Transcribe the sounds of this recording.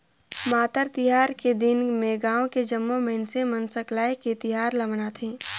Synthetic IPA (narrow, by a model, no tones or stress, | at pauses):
maːt̪əɾt̪ɪɦaːɾked̪ɪnmẽɡãːõked͡ʒɐmːõmeɪnsemɐnsəklaːeket̪ɪɦaːɾlɐmnaːt̪ʰẽː